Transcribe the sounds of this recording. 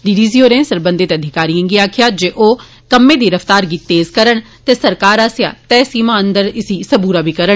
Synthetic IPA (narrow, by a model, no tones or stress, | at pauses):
ɖiɖiːzioːɾẽːsəɾbə̃nd̪ɪt̪əd̪ʱɪkaːɾiãŋɡiaːkʰɪjaːd͡ʒeːʔoː | kəmːẽːd̪iːɾəft̪aːɾɡiːt̪eːzkəɾəɳ | t̪eːsəɾkaːɾaːsja̰ːt̪ɛːsiːmãːənd̪əɾɪsiːsəbuːɾaːbiːkəɾəɳ